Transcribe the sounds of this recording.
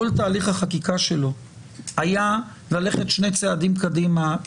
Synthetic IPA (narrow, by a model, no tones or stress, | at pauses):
olt̪aːliχhaχakikaʃelo̞ | aja | lale̞χe̞t̪ʃne̞jt͡seadimkadima